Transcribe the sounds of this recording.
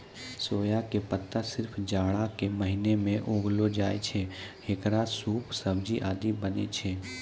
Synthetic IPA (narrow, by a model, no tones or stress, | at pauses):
soːjakepət̪ːasɪɾpʰd͡ʒaːɽakeməɦɪnemẽʔoːɡlod͡ʒaːet͡ʃʰehekɾasuːpsəbd͡ʒiʔaːd̪ibənḛt͡ʃʰeː